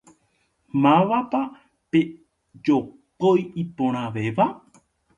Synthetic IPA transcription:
mãʋapa | pe | d͡ʒopojipõɾ̃ãʋeʋa

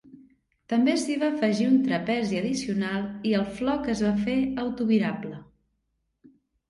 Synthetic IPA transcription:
t̪əmbesiβafəʒiunt̪ɾəpɛziəðisiunalˠiəlˠflɔkəzβafeəwt̪uβiɾablə

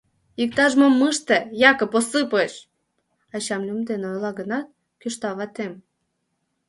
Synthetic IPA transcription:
ik̚t̪ɑʒmomːɨʃt̪ĕjɑkɤ̆posɨpəʃ | ɑt͡ɕɑmlʲumd̪enojlɑɣənɑt̪̚ | kyʃt̪ɑβɑt̪em

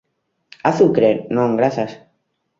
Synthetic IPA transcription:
aθukɾenõŋɡɾaθas

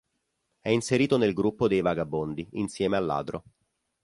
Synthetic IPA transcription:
ɛinseɾiːt̪onelɡɾupːod̪ejvaɡabond̪iinsjɛːmealːa̰ːd̪ɾo

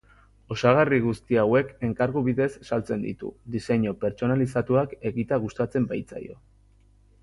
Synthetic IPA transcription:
o̞saɣ̞ariɣ̞ust̪iawe̞ke̞ŋkaɾɣuβiðe̞sːalt͡se̞nd̪ḭt̪ṵd̪ise̞ɲope̞ɾt͡ʃo̞nalisat̪uake̞ɣit̪aɣ̞ust̪at͡se̞mbajt͡sa̰jo̞̰

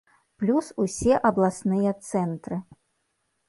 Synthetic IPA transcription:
plʲususʲɛʔɐblˠasnɨjɐt̪sɛnt̪ɾɨ

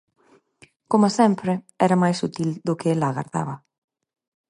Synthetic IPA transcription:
komasɛmpɾɪ | ɛɾɐmajsut̪ild̪ʊkɪelaːɣa̰ɾða̰βɐ

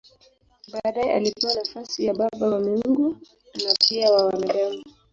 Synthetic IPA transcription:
ɓaːɗajɛʔalipɛwanafasijaɓaɓawamiŋŋɡu | napiawawanaɗani

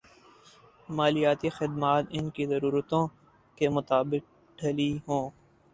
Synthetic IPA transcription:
maːlijaːt̪ixɪd̪maːt̪ɪnkizɐɾuːɾət̪õ | kemʊt̪aːbɪk̚ | ɖʰʱɐliɦõː

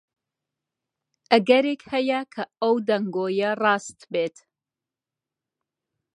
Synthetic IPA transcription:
ʔɐɡɐɾeːkhɐjɐkʰɐɐwd̪ɐŋɡoːjɐrɑːst̪beːt̪

